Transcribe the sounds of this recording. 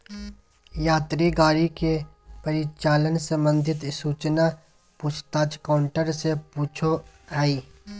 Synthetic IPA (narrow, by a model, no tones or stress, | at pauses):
jaːt̪ɾiɡaːɾike | pəɾɪt͡ʃaːlənsə̃mbə̃nd̪ʱɪt̪suːt͡ʃna | pʊt͡ʃʰt̪aːd͡ʒkaːʊɳʈəɾsepuːt͡ʃʰoɦaiː